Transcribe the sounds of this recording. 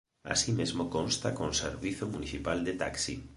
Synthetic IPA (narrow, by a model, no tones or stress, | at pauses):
a̰simezmokonst̪akõŋsḛɾβiθomuniθipald̪et̪aksḭ